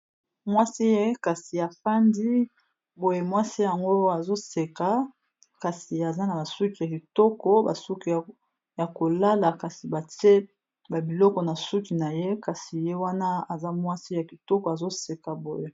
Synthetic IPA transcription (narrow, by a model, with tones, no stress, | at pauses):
mwa˦si˦je˦ka˨si˨a˨fa˦ndi˦ | bo˨je˨mwa˦si˦ja˨ŋɡo˦a˨zo˦se˨ka˨ | ka˨si˨a˨za˦na˨ba˨su˦ki˨ja˨ki˨tɔ˦kɔ˦ba̰˨su˦ki˨ | ja˨ko˨la˦la˨ka˨si˨ba˨te˦ | ba˨bi˨lɔ˦kɔ˨na˨su˦ki˨na˨je˦ka˨si˨je˦wa˦na˦a˨za˦mwa˦si˦ja˨ki˨tɔ˦kɔ˨a˨zo˦se˨ka˨bo˨je˦˨